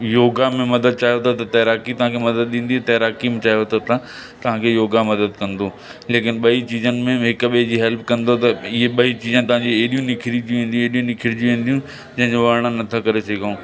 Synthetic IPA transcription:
joːɡamẽmɐd̪əd̪̚t͡ɕaːɦijot̪ʰot̪ɐt̪ɐːɾaːkit̪ɐʋ̤ãkʰemɐd̪əd̪̚ɗĩːn̆d̪it̪ɐːɾaːkimẽt͡ɕaːɦijot̪ʰot̪ɐ | t̪ɐʋ̤ãkʰeːjoːɡamɐd̪əd̪kɐ̃nd̪o | leːkɪnɓɐit͡ɕiːzənɪ̆mẽɦɪkʊɓed͡ʑiːɦɛlp̚kɐ̃nd̪ot̪ɐɪɦeɓɐit͡ɕiːzə̃nɪ̆t̪ɐʋ̤ãɲd͡ʑiɦɗijũnɪkʰɪɾid͡ʑũĩːnd̪iũeɦɗijũnɪkʰɪɾid͡ʑjũʋĩːnd̪ijũ | d͡ʑɐ̃ɦɪ̃ɲd͡ʑoʋɐɾɽ̃ãnɐt̪ʰəkɐɾesɪɡʱaũː

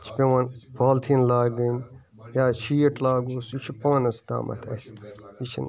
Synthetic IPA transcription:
t͡ʃʰpeʋɐnbaːlt̪ʰinlaːɡɨn | jaːʃiːʈlaːɡuːsit͡ʃʰupaːnɐsd̪a̰ːmɐ̰t̪ʰɐ̰sit͡ʃʰḭn

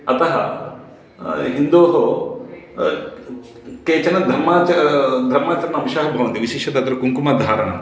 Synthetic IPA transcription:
ɐt̪ɐɦɐ̰ | ɦind̪oːɦo | keːt͡ʃɐnɐd̪ʱɐɾmaːt͡ʃɐɾɐɐd̪ʱɐɾmaːt͡ʃɐɾɐnɐmiʃaːɦɐbʱɐʋɐnt̪iʋiʃeːʃɐd̪ɐt̪ɾɐkuŋkumaːd̪ʱaːɾɐɳɐ̰m

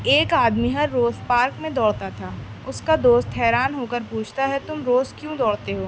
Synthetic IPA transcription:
eːkaːd̪miɦɐɾːoːzpaːɾkmẽd̪ɔːɽt̪at̪ʰaː | ʊskad̪oːst̪ɦɛːɾaːnɦoːkəɾpuːt͡ʃʰt̪aɦɛt̪ʊmɾoːzkjũːd̪ɔːɽt̪eɦoː

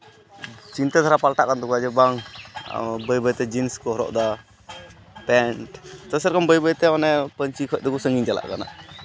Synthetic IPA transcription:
t͡ʃint̪ɛt̪ʰaɾapalʈaʔkant̪ɔkuad͡ʒɛbaŋ | bəjbəjt̪ɛd͡ʒinskɔɦɔɾɔ̰ʔd̪a | pɛnʈt̪əsɛɾkɔnbəjbəjt̪ɛɔnɛpəɲt͡ʃikʰɔc̚d̪ɛkusəŋɡiɲd͡ʒala̰ʔkana̰

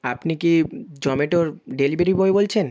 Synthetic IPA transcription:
apnikid͡ʑɔmeʈoɾɖelibeɾiboebolt͡ɕʰen

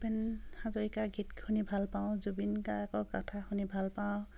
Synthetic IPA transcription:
pɛnhazɔikaɡʱitkʰunibʱalpaw̃zubinkaakɔkatʰakʰunibʱalpaw̃

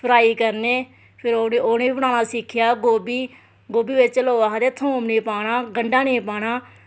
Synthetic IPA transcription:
pʰəɾaːiːkəɾneː | pʰɪɾooːneːibəɽaːnaːsɪkʰːɪjaːɡoːbiː | ɡoːbiːʋɪt͡ʃloːaɦd̪eːt̪ʰːõːmneːpaːɽaːɡəɳɖaːneːpaːɽaː

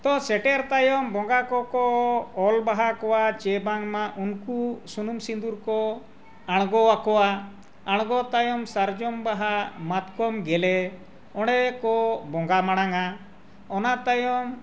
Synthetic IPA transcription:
t̪ɔ̃sɛʈɛɾt̪ajɔmbɔŋɡakɔkɔɔlbaɦakɔwat͡ʃɛbaŋmaʔunkusunumsind̪uɾkɔ | aɽ̃ɡɔwakɔwa | aɽ̃ɡɔt̪ajɔmsaɾd͡ʒɔmbaɦamat̪kɔmɡɛlɛ | ɔɽɛkɔbɔ̃ŋɡamaɽ̃aŋa | ɔnaʔt̪ajɔm

